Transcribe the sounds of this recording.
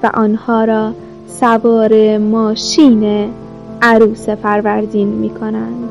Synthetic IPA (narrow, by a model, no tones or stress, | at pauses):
væ̰ʔɒːnhɒːɾɒː | sævɒːɾemɒːʃiːne | æɾuːsefæɾvæɾd̪iːnmḭːkʰonænd̪̥